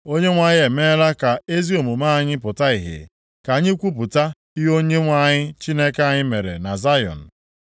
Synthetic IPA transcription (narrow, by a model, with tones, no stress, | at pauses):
o˦ɲe˦ŋʷa˨ɲɪ˦e˨me˦ɾa˦ka˨e˦zi˦o˨mu˨ma˦˨ɲɪ˦pʊ˨ta˦i˨ɦḛ˨ | ka˨˦ɲɪ˦kʷu˦p̬ʊ˨ta˦ | i˦ɦo˦ɲe˦ŋʷa˦˨ɲɪ˦t͡ʃi˦ne˦ke˦a˨ɲɪ˦me˨ɾḛ˨na˨za˦jɔ̰˨n̩˨